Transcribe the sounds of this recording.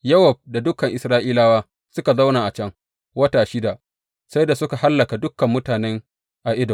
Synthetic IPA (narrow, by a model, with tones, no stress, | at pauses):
jɐ˦wɐ˨b̚da˨dʊ˦kɐ˨ŋʔɪ˨sɾaː˦ʔiː˦laː˦waː˦ | sʊ˦ka˨za˦wnaː˨ʔa˨t͡ʃɐ˦ŋ | wɐ˦taː˨ʃɪ˦da˨ʔ | sa˦jda˨sʊ˦ka˨ha˦lːɐ˨ka˨dʊ˦kɐ˨mːʊ˦taː˨nɛ˦ŋ | ʔa˨ʔɪ˦dɔ˨